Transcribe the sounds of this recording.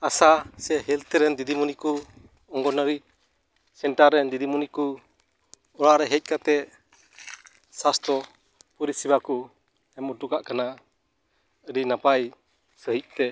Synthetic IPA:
asasɛɦɛlt̪ɛɾɛnd̪id̪imuniku | ɔŋɡɔnəɾi | sɛɳʈaɾːɛnd̪id̪imuniku | ɔɽaɾɛɦɛc̚kat̪ɛ | sast̪ɔ | puɾisibaku | ɛmɔʈukaʔkana | əɖinapaj | səɦic̚ˀt̪ɛ

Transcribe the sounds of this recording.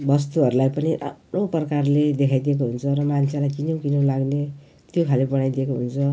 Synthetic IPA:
bʌs̬t̪uɦʌɾulajpʌniʔa̰pnoprʌkarled̪ekʰajd̪iek̬oɦunt͡sʰʌɾʌmant͡sʰelajkinow̃kinolaɡne | t̪jokʰalebʌɽajd̪jekoɦunt͡sʰʌ

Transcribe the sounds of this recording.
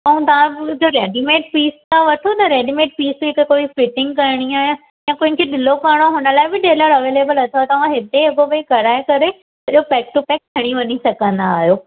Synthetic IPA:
ɐũt̪ɐʋãd͡ʑoːɾeːɖimeːʈpiːst̪ãʋɐʈʰot̪ɐɾeːɖimeːʈ̚piːsɪkekoːifɪʈɪ̃ŋɡkɐɾɽ̃iaːɦijã | jãkʊ̃ɦɪ̃ŋkʰeɗɪlokɐɾɽ̃oɦʊnəlaːɪbɪɖeːləɾɐʋeːleːbəlɐt̪ʰjot̪ɐʋ̤ãɦɪt̪eɦɪkobɐikɐɾaːekɐɾe | ɐɗopɛːk̚ʈupɛːk̚t̪ʰɐɽ̃iʋɐnisɐɡʱə̃nd̪aːɦijoː

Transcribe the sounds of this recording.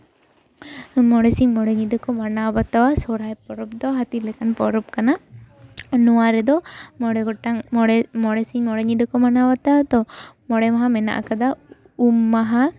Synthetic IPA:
mɔɽɛsiɲmɔɽɛɲid̪ɔkɔmanabat̪awasɔɾajpɔɾɔp̚d̪ɔɦat̪ilɛkanpɔɾɔp̚kana | nɔwaɾɛd̪ɔmɔɽɛɡɔʈaŋmɔɽɛsiɲmɔɽɛɲid̪ɔkɔmanabat̪awt̪ɔmɔɽɛmaɦamɛna̰ʔa̰kad̪a | umːaɦa

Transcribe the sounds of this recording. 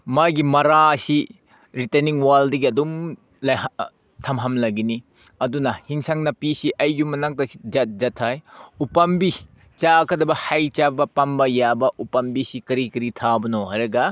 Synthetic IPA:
majɡimɐɾasi | ɾitɐniŋwaldɐɡiɐdum | l | tʰɐmɦɐmlɐɡini | ɐdunɐhiŋsaŋnɐpisiʔɐjːumːɐnaŋtɐsi̥d͡ʒɐt̚d͡ʒɐtʰːajupɐmbi | t͡ʃakʰɐdɐbɐhajt͡ʃabɐpɐmbɐjabɐʔupɐmbisikɐɾikɐɾitʰabɐnoɦaɾɐɡɐ

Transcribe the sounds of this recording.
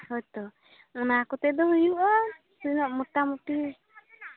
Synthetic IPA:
hɔt̪ɔ | ɔnakɔt̪ɛd̪ɔɦujuʔɔ | sujnɔʔmuʈːamuʈi

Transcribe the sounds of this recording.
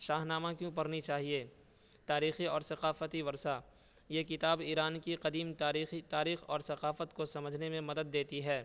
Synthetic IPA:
ʃaːɦnaːmãkjũpɐɾnit͡ʃaːɦieː | t̪aːɾiːxiɔːɾsɐqaːfət̪iʋɐɾsa | jekɪt̪aːbiːɾaːnkiqɐd̪iːmit̪aːɾiːxɔːɾsɐqaːfət̪kosɐməd͡ʒʱnemẽmɐd̪əd̪̚ːeːt̪iɦɛː

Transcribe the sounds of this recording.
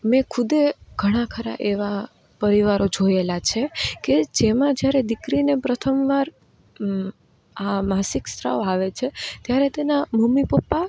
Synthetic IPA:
mẽkʰʊd̪eɡʱəɽ̃ãkʰəɾa̰ʔeʋa | pəɾiʋaɾod͡ʒojelat͡ʃʰeked͡ʒemãd͡ʒjaɾed̪ɪkɾinepɾət̪ʰəmʋaɾ | amasikst̪ɾa̰oaʋet͡ʃʰet̪jaɾet̪enamumipəpːa

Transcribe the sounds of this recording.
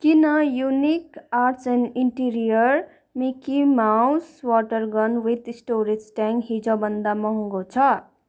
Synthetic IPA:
kinʌjunikaseniɳʈiɾijʌr | mikimawswɔʈʌrɡʌnwit̪sʈoɾid͡zʈaŋɡɦid͡zobʌnd̪amʌɦũŋɡot͡sʰʌ

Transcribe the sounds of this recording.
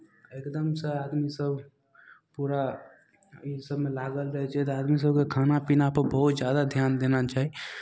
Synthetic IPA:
ekd̪əmsəad̪misəbʱ | puɾa | isəbʱmelaɡəlɾəɦɛt͡ʃʰɛt̪ɔad̪mis̬əbkekʰanapinapəɾbəɦut̪d͡ʒjad̪ad̪ʱjand̪enat͡ʃaɦi

